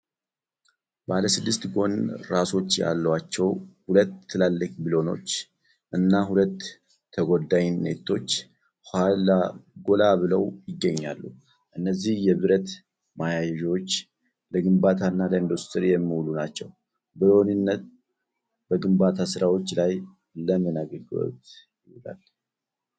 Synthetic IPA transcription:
baləsɨd̪ːɨst̪ɡo̞nɾaso̞t͡ʃːja̰lːəwat͡ʃːɛwhulət̪ːɨlalːəkʼbilo̞no̞̰t͡ʃː | ʔɨnːaɦulət̪ʰː | əɡo̞d̪aɲnːḛt̪ʰːo̞t͡ʃː | halaɡo̞laβɨləwjɪɡːəɲːa̰lːu | ʔɨnːəzːihjɛβɨɾət̪ | majajɛʒo̞t͡ʃː | ləɡɨmbat̪ʰanːaləind̪ust̪ʰɨɾijɛmːihulunat͡ʃːɛw | bilo̞nɨnːət̪̚ | bəɡɨmbat̪ʰasɨɾawo̞t͡ʃːlaj | ləmːinaɡəɡɨlo̰t̪jɪhla̰l

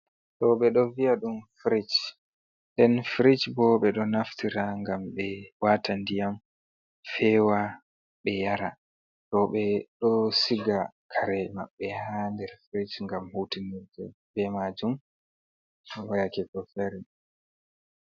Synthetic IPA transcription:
tɔɓɛɗɔvijaɗumfɾit͡ʃ | ndɛnfɾit͡ʃbɔɓɛɗɔnaftiɾaŋɡamɓɛwaːtandijam | fɛːwa | ɓɛjaɾa | tɔɓɛɗɔsiɡakʰaɾɛma̰ɓːɛhandɛɾfɾit͡ʃŋɡamhutiniɾd͡ʒɛbɛmad͡ʒum | wajakɛkɔfaɾi

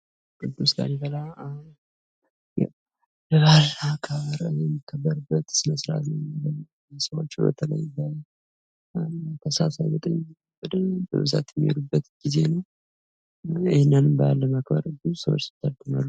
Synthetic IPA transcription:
kʼɨd̪usɡa̰nibəla | ja | ləβalːakʰaβəɾəjɛmːikʰːəbːəɾɨbːət̪sməsɾa̰t̪nəlːə | səwo̰t͡ʃːɪbə̰t̪ʰələ̰jːlːə | kʰəsəasazət̪ʼəɲːɛmːikʰːəb̥ːəd̪ɨbə̰βɨza̰t̪jɛmːijo̰ɾubːət̪ɡ̥ize̞nəw | ɪhnːanɨmbalːəmakbə̰ɾɨd̪usəwot͡ʃːsɪ̥t̪ʰːəɾt̪ʰɨnalːu

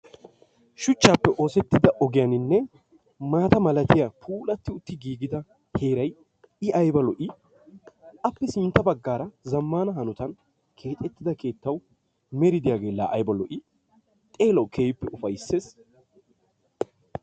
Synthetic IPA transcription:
ʃʊt͡ʃːaːpːɛʔo̞ːsɛt̪ːɪd̪ɐʔɔɡɪjɐnɪnːɛ | maːt̪ɐmɐlɐt̪ɪjapʰuːlɐt̪ːɪʊt̪ːɪɡiːɡɪd̪ɐ | he̞ːɾɐj | ɪʔɐjbɐlɔʔɪ | ʔɐpːɛsɪnt̪ːɐbɐɡːaːɾɐzɐmːaːnɐɦɐnʊt̪ɐn | kʰe̞ːt̪ʼɛt̪ːɪd̪ɐke̞ːt̪ːɐw | mɛɾɪd̪ɪjaːɡeːlːa̰ʔːjbɐlɔʔɪ | t̪ʼe̞ːlɐwkʰeːjɪpːɛʔʊfɐjsːe̞ːs

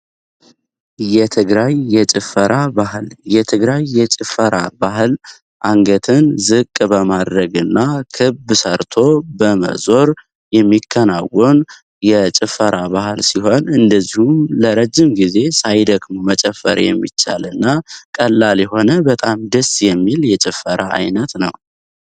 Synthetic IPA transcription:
jɛt̪ʰɨɡɾajːɛt͡ʃʼɪfəɾʔabahɨljɛt̪ʰɨɡɾajːɛt͡ʃʼɪfəɾa̰bahɨl | ʔaŋɡət̪ʰɨnzɨkʼbəmad̪ɾəɡɨnːakʰɨbsəɾt̪ʰo̞bəmə̰zo̞ɾ | jɛmːikʰːənawɔn | jɛt͡ʃʼɪfːəɾaβahɨlsiɦo̞nɨnd̪əzːihumləɾəd͡ʒːɪmɡize̞sajd̪əɡmomət͡ʃʼɛfːə̰ɾjɛ̰mːḭt͡ʃːa̰lɨnːakʼəlːaljɛho̞nəbət̪ʼamd̪əsjɛmːiljɛt͡ʃʼɪfːəɾaa̰jnət̪nə̰w

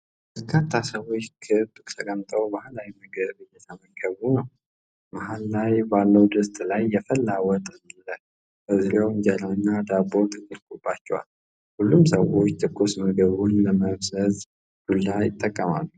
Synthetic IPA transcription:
bəɾkʰat̪ʰːasəwo̞t͡ʃːkʰɨt̪ːɨkt̪ʰəkʼəmt̪ʼəwbahlawiməɡəβɨjːɛt̪ʰaməɡəβunəw | maɦalːajbalːəwd̪əst̪ʼlajːɛfəlːawɔt̪ʼɨnlːə | b̥əziɾewɨɲd͡ʒəlanːad̪abot̪ʼɨt̪ʼːiɾkobːat͡ʃːɛwa̰l | hulːumsə̰wot͡ʃːt̪ʰʼɨkʰːosməɡəβunləməβzəz | ɡ̥ulːajɪt̪ʼːəkʼːəma̰lːu

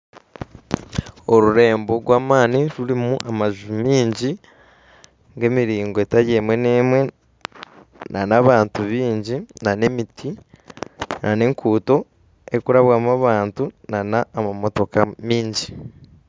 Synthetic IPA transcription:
o̞ɾuɾe̞ːmbo̞ɡwaːmaːniɾuɾimuʔamaʒumiːɲɟi | ŋɡe̞miɾiːŋɡoetaɾje̞mwe̞neːmwe̞ | nʔanaβaːntuβiːɲɟinane̞mitʰi | nʔane̞ŋkʰuːto̞ | e̞kuɾaβwaːmaβaːntunanaːmamo̞to̞kamiːɲɟi

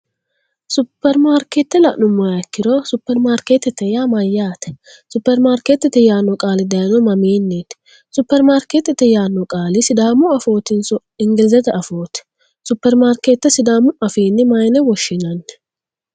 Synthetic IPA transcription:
sʊpːɛɾmaːɾkeːt̪ːɛlɐʔnʊmːɐjɐkːɪɾɔsʊpːɛɾmaːɾkeːt̪ːɛt̪ːɛjaːmɐjːaːt̪ɛ̥ | sʊpːɛɾmaːɾkeːt̪ːɛt̪ːɛjaːnːɔkʼaːlɪd̪ɐjnɔmɐmeːnːeːt̪ | sʊpːɛɾmaːɾkeːt̪ːɛt̪ːɛjaːnːɔkʼaːlɪsɪd̪aːmʊɐfo̞ːt̪ɪnsɔ | ɪŋɡɪlzɛt̪ɛʔɐfo̞ːt̪ɛ̥ | sʊpːɛɾmaːɾkeːt̪ːɛsɪd̪aːmʊɐfeːnːɪmɐjnɛwɔʃːɪnɐn

